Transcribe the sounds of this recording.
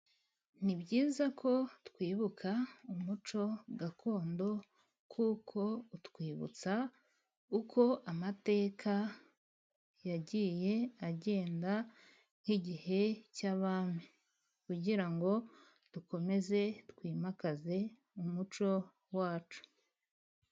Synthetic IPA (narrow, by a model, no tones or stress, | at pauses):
nibɟiːzakʰo̞tkwiːβukʰaumut͡ʃo̞ɡakʰo̞ːndo̞ | kʰuːkʰo̞utkwiːβṵt͡sa | ukʰo̞ʔamate̞ːkʰa | jaɟiːje̞aɟe̞ːnda | ŋ̥iɟihe̞caβaːmi | kuɟiɾaŋɡo̞ | d̥uko̞me̞ze̞tkwiːmakaze̞ | umut͡ʃo̞ | waːt͡ʃu̥